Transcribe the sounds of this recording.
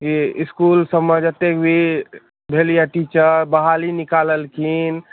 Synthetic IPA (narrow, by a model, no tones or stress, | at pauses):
kiɪskulsəbməd͡ʒət̪ːekbʱi | bʱelijaʈit͡ʃəɾbəɦalinikaləlkʰin